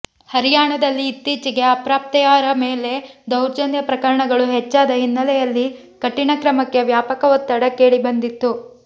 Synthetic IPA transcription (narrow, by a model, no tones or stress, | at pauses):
hɐɾijaːɳɐd̪ɐlːiːt̪ːiːt͡ʃiɡe̞ɐpɾaːp̚t̪ɛjaːɾɐmeːle̞d̪ɐwɾd͡ʒɐnd̪jɐpɾɐkɐɾɐɳɐɡɐɭuɦet͡ʃːaːd̪ɐɦinːɐlɛjɐlːi | kɐʈːiɳɐkɾɐmɐkːe̞ʋjaːpɐkɐʋɔt̪ːɐɽɐkeːɭibɐnd̪it̪ːu